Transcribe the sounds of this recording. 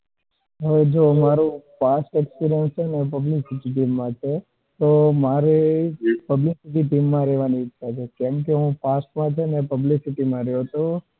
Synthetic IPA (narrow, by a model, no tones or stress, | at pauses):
ɦəʋed͡ʒomaɾũfasʈekspiɾijənt͡ʃʰenepəblisɪʈiʈimːãt͡ʃʰe | t̪omaɾepəblisiʈ̬iʈimːãɾɛʋaniɪʃʰat͡ʃʰekɛ̃mk̬eɦũfasʈmãt͡ʃʰenepəblisiʈimãɾɛjot̪o